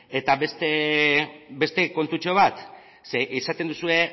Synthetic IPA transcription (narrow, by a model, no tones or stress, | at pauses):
e̞t̪aβest̪e | be̞st̪e̞ko̞nt̪ut͡ʃo̞β̞at̪ | seʔisat̪e̞nd̪usue̞